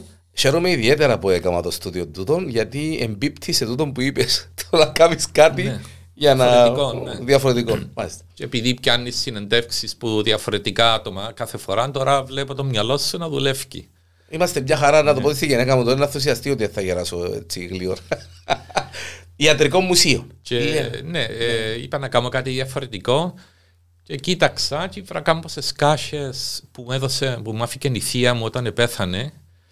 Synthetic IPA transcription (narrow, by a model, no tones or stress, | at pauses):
çe̞ɾomeiðie̞t̪eɾɐpuekɐmɐt̪ost̪uðiod̪ut̪o̞nʝɐt̪iḛmbipt̪ʰise̞t̪ut̪o̞mpuipest̪ʰonɐkɐmiskɐt̪i | ʝɐnɐoðiɐfoɾet̪ikonmɐlist̪ɐ̥ceepiðipcɐnːisːine̞nd̪e̞fksispuðiɐfo̞ɾet̪ikaːt̪omɐkɐθefoɾɐnt̪oɾɐvlepot̪omɲɐlo̞sːenɐðule̞fcḭ | imɐst̪emɲɐxɐɾɐnɐt̪opot̪est̪iʝenekɐmut̪oɾnɐθːus̬iɐst̪iot̪ieθːɐʝeɾɐsoḛt͡siɣlioɾ | iɐt̪ɾiko̞mːusionceneḭpɐnɐkɐmokat̪iðiɐfoɾe̞t̪iko̞ | ce̞cit̪ɐksɐcivɾɐkɐmpose̞skɐçespumeðosepumɐficeniθiɐmuo̞t̪ɐnepe̞θɐne